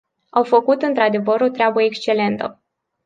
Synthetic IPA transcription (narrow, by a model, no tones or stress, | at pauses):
awfəkut̪ɨnt̪ɾad̪e̞vəɾo̞t̪ɾeabəekst͡ʃe̞le̞nt̪ə̰